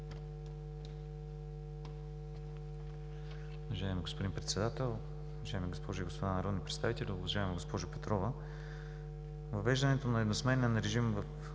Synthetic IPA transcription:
ʊvɐʒaɛmiɡospod̪inpɾɛt̪sɛd̪at̪ɛlˠ | ʊɐʒaɛmiɡospʰɔʒʊiɡospod̪anɐɾɔd̪nipɾɛt̪st̪avit̪ɛlʲiʊvɐʒaɛmɛɡospɔʒʊpɛt̪ɾɔvə | vɐvɛʒd̪ɐnɛt̪onɐɛd̪nosmɛnənɾɛʒimvɐf

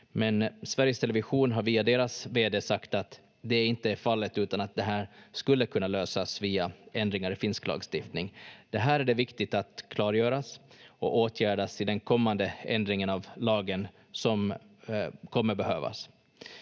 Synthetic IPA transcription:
mɛnsvæɾjəst̪ʰɛlɛvɪɧuːnɦaɾviːad̪eːɾasveːd̪eːsakt̪at̪ | d̪ɛɪnt̪əæɾfalːət̪ʉ̟ːt̪anat̪̚d̪ɛɦæːɾskɵlːəkʰɵnːaløːsasviːaʔɛnd̪ɾɪŋaɾɪfɪnsklɑ̰ːɡst̪ɪft̪nɪŋd̪̥ɛɦæːɾæɖɛvɪkt̪ɪt̪at̪kʰlɑːɾjœːɾasɔoːt̪ʰjæːɖasɪd̪ɛnkʰɔmːand̪əɛ̰nd̪ɾɪŋənavlɑːɡən | sɔm | kʰɔmːəɾbɛhøːva̰s

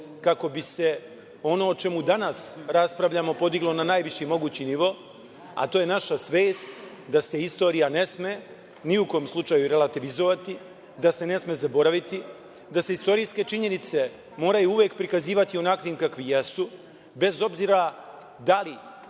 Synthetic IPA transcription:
kako̞bise̞ | o̞no̞ːt͡ʃe̞mud̪anasɾaspɾaʋʎamo̞po̞d̪iɡlˠo̞nanajʋiʃimo̞ɡuːt͡ɕiniʋo̞ | a̰t̪oːjenaʃasʋeːst̪ | d̪ase̞ist̪o̞ːɾijane̞sme̞ | niuko̞mslˠut͡ʃajuɾe̞lˠat̪iʋizoʋat̪i | d̪ase̞ne̞sme̞zabo̞ɾaʋit̪i | d̪aseist̪o̞ɾiːske̞t͡ʃiɲe̞nit̪se̞ | mo̞ːɾajuuʋe̞ːkpɾikaziːʋat̪io̞nakʋiːmkakʋijesu | be̞zo̞bziːɾa | d̪ali

